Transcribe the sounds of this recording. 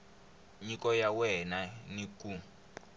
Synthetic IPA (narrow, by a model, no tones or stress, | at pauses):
ɲikɔjawɛnaniku